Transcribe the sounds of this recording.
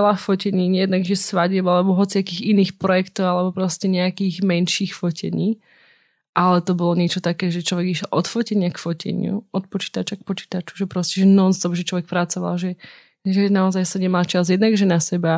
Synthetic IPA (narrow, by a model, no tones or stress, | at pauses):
ɛlaffɔcɛɲiːɲɛjɛd̪naɡʒɛsʋaɟɛmalɛbɔɦɔt͡siakiːɣiniːxpɾɔjɛkt̪ɔʊalɛbɔpɾɔscɛɲɛakiːɣmɛnʃiːxfɔcʰɛ̰ɲiː | ʔalɛt̪ɔbɔlɔɲɪɛt͡ʃɔt̪akɛːʒɛt͡ʃlɔʋɛɡiʃjɛlʔɔt̪fɔcɛɲɪakfɔcɛ̰ɲɪṵɔt̪̚pɔt͡ʃi̥ːt̪at͡ʃak̚pɔt͡ʃi̥ːt̪at͡ʃu̥ʒɛpɾɔscɛʒɛnɔzd̪ɔbʒɛt͡ʃlɔʋɛk̚pɾat͡sɔʋa̰lʒɛ | ʒɛnaɔzajsaɲɛmalt͡ʃazjɛd̪naɡʒɛnasɛba